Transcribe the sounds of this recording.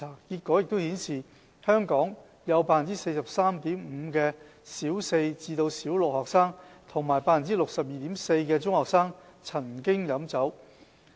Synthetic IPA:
aː˨˩kiː˧t̚kʷːɔ˨˥jk̚t̪o˥whiː˨˥nsiː˨˩ | hœː˥ŋkɔː˨˥ŋ | jɐ˨˧wpaː˧˥fɐ˨˩t͡siː˥se˧jsɐ˨p̚saː˥mt̪iː˨˥m̩ː˨˧kɛː˧ | siː˨˥wse˧jt͡siː˧t̪o˧wsiː˨˥wlʊ˨k̚hɔː˨k̚saː˥ŋt̪ʰʊ˨˩ŋmaː˨˩jpaː˧fnt͡si˥lʊ˨k̚sɐ˨p̚jiː˨t̪iː˨˥mse˧jkɛː˧t͡ʃʊ˥ŋhɔː˨˩k̚saː˥ŋt͡sʰɐ˨˩ŋkɪ˥ŋjɐ˨˥mt͡sɐ˨˥w

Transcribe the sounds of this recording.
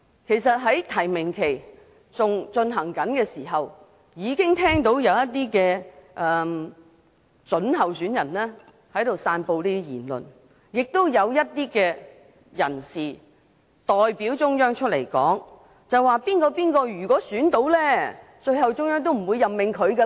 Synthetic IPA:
kʰe˨˩jsɐ˨t̚ɦɐ˨˥jt̪ʰɐ˨˩jmɪ˨˩ŋkʰe˨˩j | t͡sʊ˨ŋt͡sɵ˧nɦɐ˨˩ŋkɐ˨˥nkɛː˧siː˨˩ɦɐ˨w | jiː˨˧kɪ˥ŋt̪ʰɛː˥ŋt̪o˨˥wjɐ˨˧wjɐ˥t̚t̪iː˥kɛː˧ʔɛː˨ | t͡sɵ˨˥nɦɐ˨wsyː˨˥njɐ˨˩nlɛː˥ | hɐ˨˥jt̪o˨wsaː˧npo˧wliː˥jḭː˨˩nlɵ̰˨n | jɪ˨k̚t̪o˥wjɐ˨˧wjɐ˥t̚t̪iː˥kɛː˧ | jɐ̰˨˩nsiː˨˩ | t̪ɔː˨jpiː˨˥wt͡sʊ˥ŋjœː˥ŋt͡ʃʰɵ˥t̚lḛ˨˩jkɔ̰ː˨˥ŋ | t͡sɐ˨waː˨˧piː˥nkɔː˧piː˥nkɔː˧jyː˨˩kɔː˨˥syː˨˥nt̪o˨˥wlɛː˥ | t͡ʃɵ˧ɥhɐ˨wt͡sʊ˥ŋjœː˥ŋt̪o˥wm̩˨˩wu˨˧jːɐ˨mmɪ˨ŋkʰɵ˨˧ɥkɛ˧

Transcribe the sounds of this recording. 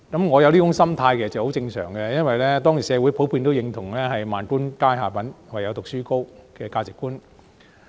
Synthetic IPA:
kɐ˨˦mŋɔː˨˧jɐ˧wliː˥kʊ˨˥ŋsɐ˥mt̪ʰaː˧jke˨˩sɐ˨˩t͡sɛ˨˩kho˨˥wt͡sɪ˧ŋsœ̰ː˨˩ŋkɛ˧jɐ˥nwɐ˨jlɛː˥t̪ɔː˥ŋji˨˩sɛː˨˧wuː˨˥jpʰo˨˥wpʰiː˧nt̪o˥wjɪ˨˧˥ŋt̪ʰʊ˨˩ŋlɛː˥ɦɐ˨jmaː˨nkuː˥nkaː˥jɦaː˨˩pɐ˨˥nwa˨˩jɐ˨˧wt̪ʊ˨k̚syː˥ko˥wkɛː˧kaː˧t͡sɪ˨kːuː˥n

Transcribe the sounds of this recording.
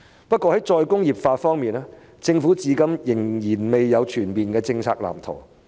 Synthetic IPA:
pɐ˥t̚kːɔː˧hɐ˨˥jt͡ʃɔː˧jkʊ˥ŋjiː˨˩p̚faː˧fɔː˥ŋmiː˨naː˥ | t͡sɪ˧ŋfu˨˥t͡siː˨˧kɐ˧mjɪ˨˩ŋjiː˨˩nme˨jːɐ˨˧wt͡ʃʰyː˨˩nmpiː˨nkɛː˧t͡sɪ˧ŋt͡sʰa̰ː˧k̚la̰ː˨˩mt̪ʰo̰˨˩w

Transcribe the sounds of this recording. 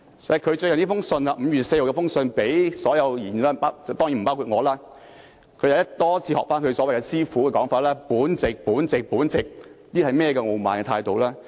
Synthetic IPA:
skʰɵ˨˧ɥt͡ʃɵ˧jɐ˨nt̪iː˥fʊ˥ŋsɵ˧nɐ˧ʔm̩˨˧jyː˨˩t̚se˧jho˨˩kɛː˧fʊ˥ŋsɵ˧npe˨˥jsɔː˨˥jɐ˨˧wjiː˨˩n˨˩aː˥pa˥t͡st̪ɔː˥ŋji˨˥˩m˨˩paː˥wkʰuː˨˧t̚ŋɔː˨˧laː˥ | kʰɵ˧jɐ˧wjɐ˥tt̪ɔː˥t͡sʰiː˨˧hɔ̰ː˨k̚faː˥nkʰɵ˧ɥsɔː˨˦wjkɛ˧siː˥fuː˨˥kɛː˧kɔː˨˥ŋfaː˨˧t̚lɛː˥puː˨˥nt͡sɪ˨k̚puː˨˥nt͡sɪ˨k̚puː˨˥nt͡sɪ˨k̚niː˥hɐ˨jmɛː˥ɛ˧kɛ˧ŋo˨˧wmaː˨nkɛː˧t̪ʰaː˧jt̪o˨wlaː˥

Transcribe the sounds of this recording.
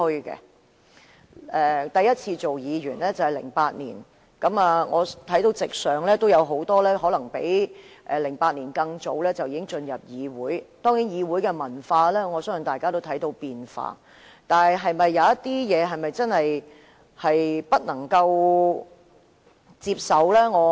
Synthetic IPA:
ɵ˧kɛ̰˧ | ɛː˨t̪ɐ˨jɐ˥t̚t͡sʰiː˧t͡so˨wjiː˨˧ɥyː˨˩nlɛː˥t͡sɐ˨whɐ˨˩lɪ̰˨˩ŋpaː˧t̚nḭː˨˩n | kɐ˨˥maː˨˧ŋɔː˨˧t̪ʰɐ˨˥jt̪o˧wt͡sɪ˨k̚sœː˨ŋlɛː˥t̪o˥wjɐ˨˧wɦo˨˥wt̪ɔː˥lɛː˥ɦɔː˨˥lɐ˨˩ŋpe˨˥jʔɛ˨˧lɪ˨˩ŋpaː˧t̚niː˨˩nkɐ˧ŋt͡so˨˥wlɛː˥t͡sɐ˨wjiː˨˧kɪ˥ŋt͡sɵ˧njɐ˨p̚jiː˨˧wuː˨˥jt̪ɔː˥ŋjiː˨˥njiː˨˧wuː˨˥jkɛː˧mɐ˨˩nfaː˧lɛː˥ŋɔː˨˧sœː˥ŋɐ˨ŋt̪aː˨˩jkaː˥t̪o˥wt̪ʰɐ˨˥jt̪o˧wpiː˨nfa̰ː˧ | t̪aː˨nɐ˨jɦɐ˨jmɐ˨jːɐ˨˧wjɐ˥tt̪ːiː˥jɛː˨˧ɦɐ˨jmɐ˨jt͡sɐ˥nhɐ˨j | hɐ˨jpɐ˥t̚nɐ˨˩ŋkɐ˧w | t͡siː˧p̚sɐ˨˧wlɛː˥ŋɔː˨˧

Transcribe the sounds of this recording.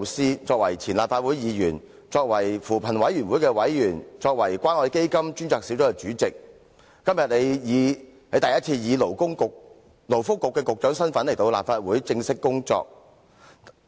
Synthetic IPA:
siː˥t͡sɔː˧k̚wɐ˨˩jt͡sʰiː˨˩nlaː˨p̚faː˧t̚wu˨˥jjiː˨˧jyː˨˩n | t͡ʃɔː˧k̚wɐ˨˩jfuː˨˩pʰɐ˨˩nwɐ˨˥jy˨˩nwu˨˥jkɛː˧wɐ˨˥jjyː˨˩nt͡sɔː˧k̚wɐ˨˩jkʷwʷaː˥nɔː˧jke˥jkɐ˥mt͡ʃyː˥nt͡sɔː˧k̚si˨˥wt͡sʊ˥˧t͡ʃyː˨˥t͡sɪ˨k̚ː | ɐ˥mjɐ˨t̚ne˨˧jjiː˨˧ | hɐ˨˧jt̪ɐ˨jɐ˥t̚t͡sʰiː˧jiː˨˧lo˨˩wkʊ˥ŋkʊ˨k̚ | lo˨˩wfʊ˥kːʊ˨kːɛː˧kʊ˨k̚t͡ʃœː˨˥ŋsɐ˥nfɐ˨˥nle˨˩jt̪o˧wla̰˨p̚faː˧t̚wuː˨˥jt͡sɪ˧ŋsɪ˥kːʊ˥ŋt͡sɔ̰ː˧k̚

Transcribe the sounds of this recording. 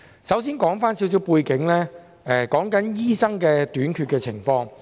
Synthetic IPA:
sɐ˨˥wsiː˥nkɔː˨˥ŋfaː˥nsi˨˥ws̬i˨˥wpuː˧jkɪ˨˥ŋlɛː˥ | ɛː˧˩kɔː˨˥ŋkɐ˨˥njiː˥sɐ˥ŋkɛː˧t̪yː˨˥nkʰyː˧t̚kɛː˧t͡sʰɪ˨˩ŋfɔː˧ŋ

